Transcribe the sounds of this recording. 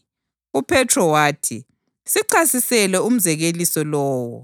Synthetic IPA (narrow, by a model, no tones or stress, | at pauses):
upʰɛtʰrɔwaːtʰi | siǀasisɛlɛum̩zɛɣelisɔlɔːwɔ̰